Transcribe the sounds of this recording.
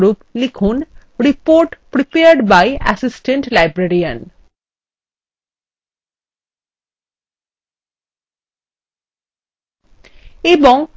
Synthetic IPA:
ɾuplikʰunɾipoɾʈpɾipeəɾɖbajæ̰sisʈẽɳʈlajbɾeɾiən | ebɔŋ

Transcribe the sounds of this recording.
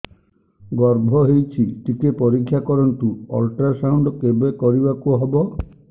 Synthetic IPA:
ɡɔɾbʱɔɦejt͡ʃʰiʈikepɔɾikʰːjakɔɾɔnʈuɔlʈɾasawɳɖɔkebekɔɾibakuɦɔbɔ

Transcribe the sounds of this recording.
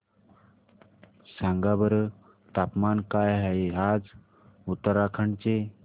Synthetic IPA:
sãŋɡabəɾə | t̪apmankajɦaead͡z | ut̪ːəɾakʰəɳt͡se

